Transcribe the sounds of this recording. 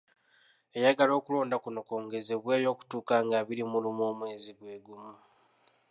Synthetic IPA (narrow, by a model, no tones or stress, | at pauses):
e̞jaɡalo̞ːkulo̞ːndakunokoːŋɡe̞zeβwe̞ːjo̞ːku̥tuːkaŋɡaβilimulimoːmwe̞ːziɡwe̞ːɡumu